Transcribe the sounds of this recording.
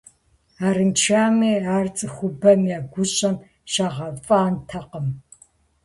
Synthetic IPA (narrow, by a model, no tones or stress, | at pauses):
aːɾɨnt͡ʃʰaːmeːaːrt͡sʼɨxʷʊbɐmjaːɡʷʊɕʼɐm | ʃaːʁɐfʼaːntʰɐqəm